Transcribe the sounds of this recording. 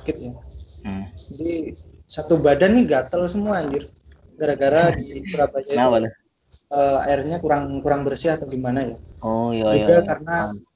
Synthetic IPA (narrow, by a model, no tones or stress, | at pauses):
kɪt̪̚ja | adisat̪ubadanːiɡat̪alsəmuaːɲd͡ʒʊr | ɡaɾaɡaɾadipəɾabad͡ʒaa | əa̰ɪrɲakuɾaŋkuɾaŋbərsiahat̪awɡimanajaoiɡakarəna